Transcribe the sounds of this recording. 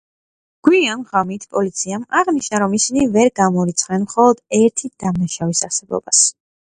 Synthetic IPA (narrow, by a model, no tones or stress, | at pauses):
ɡ̥wianʁamit̪ʰpʼɔlit̪sʰiamaʁniʃnaɾɔmisinivɛɾɡamɔɾit̪sʰʼχɛnmχɔlˠɔd̪ɛɾt̪ʰid̪̥amnaʃavisaɾsɛbɔ̰bas